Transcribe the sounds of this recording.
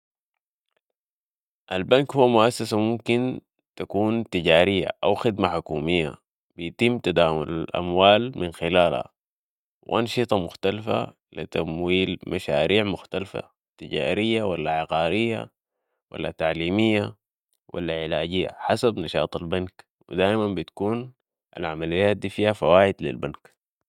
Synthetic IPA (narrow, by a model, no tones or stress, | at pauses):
ʔalbankhuwːmʊʔasːasamumkin | t̪akuːnt̪iɟaːɾijːa̰ʔawxɪd̪maħʊkuːmijːa̰ | b̥ijt̪imːt̪ad̪aːmʊlalʔa̰mwaːlminxilaːlha̰ | wʔɑnʃɨt̪ˤɑmʊxt̪alfa̰ | lit̪amwiːlmʔaʃaːɾʔiːʕmʊxt̪alfa̰ | t̪iɟa̰ːɾijːawalːaʕɪqɑːɾijːa̰ | wʔa̰lːa̰t̪aʕliːmijːa | wʔa̰lːaʕɪlaːɟijːa̰ħasabnɑʃɑ̰ːt̪ˤalbank | wḭd̪aːʔimanbit̪kuːn | ʔa̰lʕamalijːaːt̪̚d̪iːfiːhafawaːʔid̪lḭlbank